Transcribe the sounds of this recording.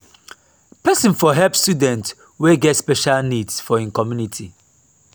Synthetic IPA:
pɛsə̃nfɔɦɛlpstudɛ̃nt | weɡɛtspɛʃalnidsfɔĩnkɔmjunitʰi

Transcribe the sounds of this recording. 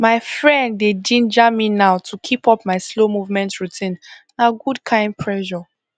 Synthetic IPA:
maɪfɹɛ̃ndːed͡ʒĩnd͡ʒaminaʊtʰukʰipɔpmaɪslomuvmɛ̃ntɹutʰĩn | naɡudkʰãɪ̃nd̚pʰɹɛʒɔ

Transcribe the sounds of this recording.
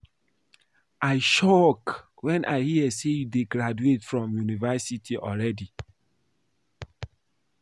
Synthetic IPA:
aɪʃɔk | wɛ̃nʔa̰ɪhiɛsejudeɡɾaduetfɹɔ̃mjunivɛsitʰiʔɔlɹɛdi

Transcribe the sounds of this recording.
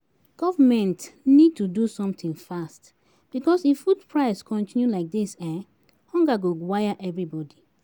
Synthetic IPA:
ɡ̥ɔvəmɛ̃ntnid̚tudusɔ̃mt̪ĩŋfast | b̥ikɔsifud̚pʰɹaɪskʰɔ̃ntĩnjulaɪk̚disɛ̃ | hɔ̃ŋɡaɡowajaʔɛvɹibɔdi

